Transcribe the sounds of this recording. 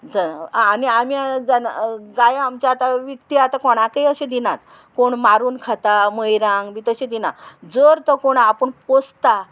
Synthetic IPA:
d͡zəaniamiad͡zənɡajamt͡ɕaat̪aʋik̚t̪iat̪akɔɽ̃akəjəɕẽd̪inat̪ | koɳmaɾuːnkʰat̪aməjɾãŋɡʋit̪əɕẽd̪inad͡zəɾt̪ɔkoɽ̃aːpəɳpost̪a

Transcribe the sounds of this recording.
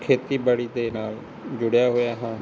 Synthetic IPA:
kʰeːt̪iːbaːɽiːd̪eːnaːl | d͡ʒʊɽɪjaːɦoːjaːɦãː

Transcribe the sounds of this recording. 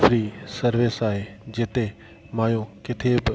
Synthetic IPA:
fɾiːsɐɾʋɪsaːɦeːd͡ʑɪt̪e | maːjõkɪt̪ʰebɪ

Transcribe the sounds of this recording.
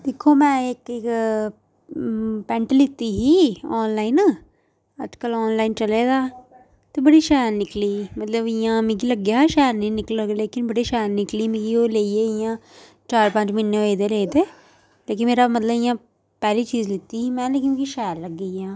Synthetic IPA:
d̪ɪkʰːoːmɛ̃ːɪk | pɛ̃ɳʈlɪt̪ːiːɦiːɔːnlaːin | ə̰d͡ʒkəlɔːnlaːint͡ʃəleːd̪aː | t̪eːbəɽiːʃɛːɾnɪkliːmət̪ləbɪjãːmɪ̃ɡ̬iləɡjaːʃɛːɾnĩːnɪklleːkɪnbəɽiːʃɛːɾnɪkliːmɪ̃ɡioːleːieːɪjãː | t͡ʃaːɾpə̃ɲt͡ʃmɪnːeeːd̪eːleːd̪eː | leːk̬ɪmeːɾaːmət̪ləbɪjãː | pɛːliːt͡ʃiːzlɪt̪ːiːɦiːmɛ̃ːlekjũkiʃɛːɾləɡːeːjãː

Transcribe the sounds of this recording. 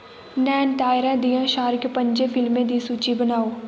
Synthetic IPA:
nɛːnʈaːɪɾɛ̃ːd̪ijãːʃaːɾɪkpəɲd͡ʒeːfʰɪlmẽːd̪iːsuːt͡ʃiːbənaːoː

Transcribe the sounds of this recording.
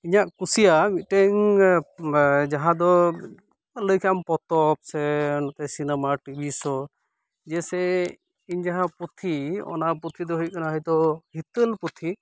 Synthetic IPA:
iɲaʔkusijaɡit̪̚ˀʈɛŋ | d͡ʒaɦãd̪ɔ | ləjkʰampɔt̪ɔp̚sɛnɔt̪ɛsinɛmaʈibʱisɔ | d͡ʒɛsɛ | iɲd͡ʒaɦãput̪ʰiɔ̰naput̪ʰid̪ɔɦujkanaɦəjt̪ɔhit̪əlput̪ʰi

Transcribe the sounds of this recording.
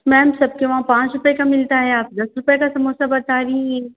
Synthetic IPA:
mɛ̃ːmsɐb̚keʋaãpãːt͡ʃɾʊpekamɪlt̪aɦɛaːp̚d̪ɐsɾʊpekasɐmoːsabɐt̪aːɾĩe

